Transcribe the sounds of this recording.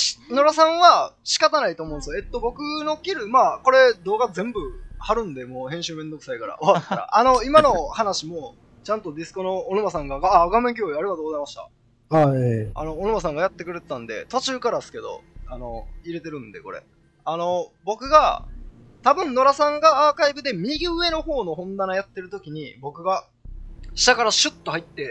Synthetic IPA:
no̞ɾasãɰ̃βaɕi̥kat̪anait̪oːmõːnsojoet̪ːo̞bo̞kɯ̟no̞kʲiɾɯ̟maːko̞ɾe̞d̪o̞ːɡazẽ̞mbɯ̟haɾɯ̟̃nd̪e̞moːhẽ̞ɰ̃ɕɨːmẽ̞nd̪o̞kɯ̟̥saikaɾa̰ʔoβat̪ːaɾa̰ʔano̞imano̞hanaɕimo̞ | t͡ɕãnt̪o̞d̪ʲisɨ̥ko̞no̞ːnomas̬ãŋɡaɡaːɡameŋk̬ʲoːiaɾiɡat̪oːɡozaimaɕi̥t̪a̰ | a̰no̞ːnomasãŋɡajat̪ːe̞kɯ̟ɾe̞t̪et̪ãnd̪e̞̰t̪o̞t͡ɕɨːkaɾasɨ̥ke̞d̪o̞̰ano̞iɾe̞t̪e̞ɾɯ̟̃nd̪e̞̰ko̞̰ɾe̞̰ | ano̞bo̞kɯ̟ɡa | t̪abɯ̟̃nno̞ɾasãŋɡaːkaibɯ̟d̪e̞mʲiɲiɡʲiɯ̟e̞no̞ho̞ːno̞ɦõ̞nd̪anajat̪ːe̞ɾɯ̟t̪o̞kʲiɲ̟ḭbo̞kɯ̟ɡa | ɕi̥t̪akaɾaɕɨt̪ːo̞hait̪ːe̞

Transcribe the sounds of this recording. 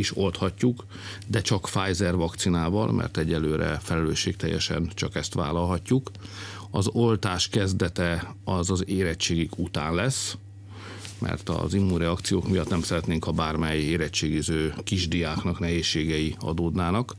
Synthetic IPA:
iʃo̞lt̪hɒcːuk | d̪ɛt͡ʃɒkfaːjzɛrvɒkt̪sinaːvɒ̰lmɛ̰rt̪ɛɟːɛlːøːɾɛ̰fɛlɛløːʃːeːk̚t̪ɛ̰jːɛ̰ʃɛ̰nt͡ʃɒkɛst̪ʋa̰ːlɒlɦɒcːuk | ɒzolt̪aːʃkɛzd̪ɛt̪ɛ | ɒzɒzeːɾɛt͡ʃːeːɡikut̪a̰ːnlɛs | mɛ̰rt̪ɒ̰zimːuːɾɛɒkt̪sijoːkmijɒt̪nɛmsɛɾɛt̪neːŋkɒbaːrmɛjeːɾɛt͡ʃːeːɡizøːkiʒd̪iaːknɒknɛɦeːʃːeːɡɛjiɒ̰d̪oːd̪naːnɒk

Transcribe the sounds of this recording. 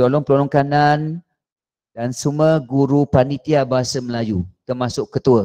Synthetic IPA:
ɔlɔŋpəlɔlɔŋkanan | dansuməɡuɾupanit̪iabaɦasəməlajut̪ərmasʊʔkːət̪uə

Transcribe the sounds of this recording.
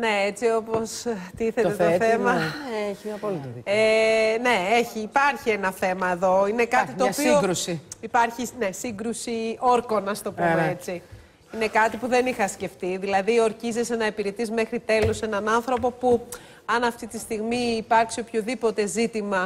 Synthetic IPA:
ne̞et͡sio̞po̞st̪iθe̞t̪et̪oθemɐçɐpolene̞eçiːpɐɾçie̞nɐθe̞mɐe̞ðo̞ine̞kɐt̪it̪oːpioɾusiipɐɾçine̞siŋɡɾusio̞ɾko̞nɐst̪o̞pumeet͡si | ine̞kɐt̪ipuðe̞nixɐsce̞ft̪iðilɐðio̞ɾçize̞se̞nɐe̞piɾet̪izme̞xɾit̪e̞lose̞nɐnɐnθɾo̞p̬o̞pu | ɐnɐft̪it̪ist̪iɣmiːpɐɾksio̞pçoðipo̞t̪e̞zit̪imɐ

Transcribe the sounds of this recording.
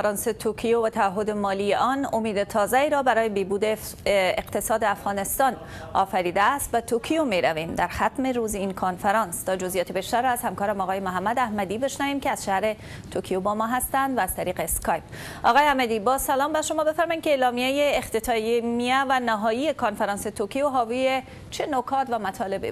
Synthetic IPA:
fæɾɒnset̪ʰokʰijovæt̪ʰæːɦːod̪emɒːlijeʔɒːnomiːd̪et̪ʰɒːzeiːɾɒːbæɾɒːjebebuːd̪e | eqt̪ʰesɒːd̪eafɣɒːne̞st̪ɒːn | ɒ̰ːfæɾiːd̪æːst̪̚bet̪ʰokʰijomeɾæviːmd̪æɾxæt̪meɾuːziinkʰonfeɾɒːnst̪ɒːd͡ʒozijɒːt̪ʰibeʃt̪æɾːɔæz̥hæmkɒːɾæmɒːɣɒːjemoɦæmːæd̪æhmæd̪ibeʃnæviːmkeæz̥ʃæhɾe | t̪ʰokʰijobɒmɒːɦæst̪ænd̪væːz̥t̪ʰæɾiːqeskɒjp | ɒ̰ɣɒːjeæhmæd̪ibɒːzsælɒːmbæʃomɒːbe̞fæɾmɒjimkeːlɒːmijejeːxt̪et̪ʰɒjemiævænæɦɒːjiekʰonfeɾɒːnset̪ʰokʰijoɦɒːvije | t͡ʃʰenokʰɒːt̪væmæt̪ʰɒːle̞bḭ

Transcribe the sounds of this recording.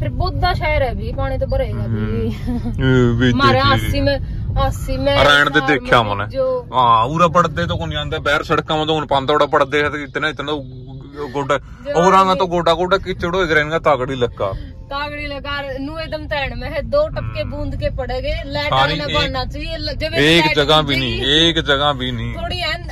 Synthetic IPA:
pʰɪɾbʊd̪aːʃaːjəɾɛːbiːpaːɽ̃iːt̪õːbəɾeːɡaːbiiː | ʋiːmːasiːmɛ̃aːsiːmɛ̃ːɾaːɳ̃d̪eːd̪eːkʰjaːmə̰nɛːd͡ʒoãːuːɾaːp̬əɽd̪eːt̪õːkoniãːnd̪aːbɛːɾsəɽəkːaːmãnt̪oːnpãːnd̪aoɽaːpəɽd̪eːat̪eɪt̪nãːɪt̪não | ɡoːɖa | oːɾãːaːt̪õːɡoːɖaːɡoːɖaːkɪt͡ʃəɽoːɪɡɾɛːnɡaːt̪aːɡɽiːləkːaː | t̪aːɡɽiːləkaːnũːed̪əmt̪ɛːɳmɛ̃ːɦd̪oːʈəp̚keːbũːnd̪keːpəɽeːɡeːlɛːsaːɾiːnːaːt͡ʃaːield͡ʒeeːkd͡ʒəɡaːbiːnĩːeːkd͡ʒəɡaːbiːnĩːoːɽiː

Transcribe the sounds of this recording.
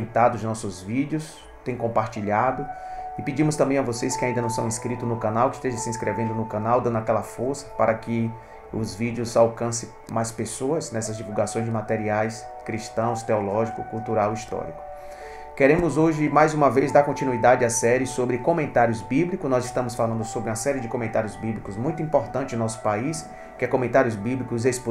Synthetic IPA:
nt̪ad̪ʊznɔsʊzvid͡ʒjʊs | t̪ẽj̃kõmpaɾt͡ʃiʎad̪ʊɪpid͡ʒĩmʊst̪ɐ̃bẽj̃avoseskɪaĩnd̪ɐnɐ̃w̃sɐ̰̃w̃ĩskɾit̪ʊnʊkãnawkɪiʃt̪eʒɐsiĩskɾʔevẽnd̪ʊnʊkãnawd̪ɐ̃nd̪ʊakɛlɐfoɾsɐ̥paɾɐkɪ | ʊzvid͡ʒjʊzawkɐ̃sɪ̃ | majspesoɐznɛsɐzd͡ʒivuwɡasõj̃zd͡ʒɪmat̪ɛɾiajs | kɾiʃt̪ɐ̃w̃st̪eɔlɔʒikʊkuwt̪uɾawist̪ɔ̰ɾḭkʊ̥ | keɾẽmʊzoʒɪmajzũmɐvejzd̪aɾkõnt͡ʃinuid̪ad͡ʒɪɐsɛɾɪsobɾɪkõmẽnt̪aɾjʊzbiblikʊznɔzɪʃt̪ɐ̃mʊsfalɐ̃nd̪ʊsobɾũɐsɛɾɪd͡ʒɪkõmẽnt̪aɾjʊzbiblikʊzmũj̃t̪ʊuĩpoɾt̪ɐ̃nt͡ʃɪznɔsʊ̥pais | kɪɛkõmẽnt̪aɾjʊzbiblikʊzesp

